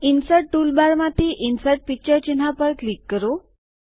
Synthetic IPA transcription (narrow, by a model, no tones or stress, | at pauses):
insəɾʈ̚ʈuːlbaɾmat̪iːʔinsəɾʈ̚pik̚t͡ɕəɾt͡ɕin̤apəɾklikːəɾo